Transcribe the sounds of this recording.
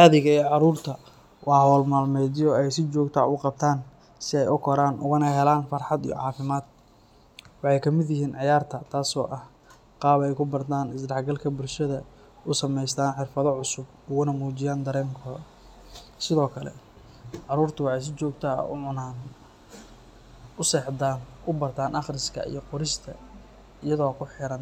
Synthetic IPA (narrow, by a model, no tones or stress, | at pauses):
ʔaːðɪɣɐɛːʕɑɾuːrt̪ʰɐ | wʔɑːɦɔːlmaːlmɛːd̪jɔɛjsɪt͡ʃɔːɡt̪ʰa̰ːʊqɑb̚t̪ʰaːn | sɪɛjʊkʰɔɾaːnʔʊ̰ɣʊnɐɦɛlaːnfɑrħɑd̪ḭjɔ̰ʕɑːfɪmaːd̪̥̚ | wɑħɑjkʰɐmɪd̪jɪɦiːnʕɪjaːrt̪ʰɐt̪ʰaːsɔːʔɐh | qɑːβɛjkʰʊbɐrt̪ʰaːnɪsdɑħɡɐlkʰɐbʊlʃɐðɐ | ʊsɐmɛjst̪ʰaːnħɪrfɐðɔʕʊsʊb̚ | ʊɣʊnɐmuːt͡ʃɪjaːnd̪ɐɾɛːŋkʰɔːðɐ | sɪðɔːkʰɐlɛ̰ | ʕɑɾuːrt̪ʰʊwɑħɑjs̬ɪt͡ʃɔːɡt̪ʰa̰ʊʕʊnaːn | ʊsɛːħd̪aːnʊbɐrt̪ʰaːnʔɐχrɪskʰɐ̰ḭjɔqʊɾɪst̪ʰɐ̰ | ɪjɐðɔːkʰʊħɪɾɐn